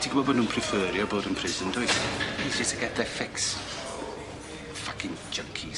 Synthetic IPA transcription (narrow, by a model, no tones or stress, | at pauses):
tʰiːɡəbɔboːdnũːnpʰrɪfəːɾjɔboːdənpʰrɪːzəndʊɨsisɪstʰaɡɛtɛfɛks | fakɪŋd͡ʒəŋkʰi